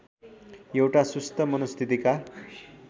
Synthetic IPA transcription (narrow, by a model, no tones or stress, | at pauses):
jewʈasust̪ʰəmʌnust̪ʰit̪ika